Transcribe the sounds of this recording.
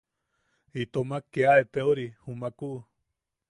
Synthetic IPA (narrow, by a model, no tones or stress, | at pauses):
it̪omãkeaet̪eoɾihumãkuʔ